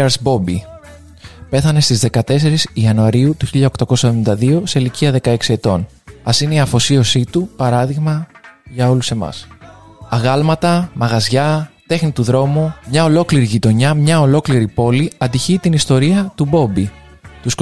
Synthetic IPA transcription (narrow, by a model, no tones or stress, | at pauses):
ɐɾsbo̞bi | pe̞θɐne̞st̪izðe̞kɐt̪e̞se̞ɾisiɐnuɐɾiut̪uçiʎɐokt̪ɐko̞sɐðoind̪ɐðio̞se̞iliciɐðe̞kɐe̞ksie̞t̪o̞n | ɐsineiɐfo̞sio̞sit̪upɐɾɐðiɣmɐʝɐo̞luse̞mɐ̰sɐɣɐlmɐt̪ɐmɐɣɐzʝɐt̪e̞xnit̪uðɾo̞mumɲɐo̞lo̞kliɾiʝit̪o̞ɲɐmɲɐo̞lo̞kliɾipo̞liɐnd̪içit̪inist̪o̞ɾiɐt̪ubo̞bi | t̪us